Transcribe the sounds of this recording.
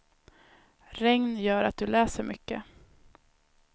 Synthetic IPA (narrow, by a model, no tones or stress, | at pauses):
ɾɛŋnjœːɾat̪̚d̪ɵlɛːsəɾmʏkːə̰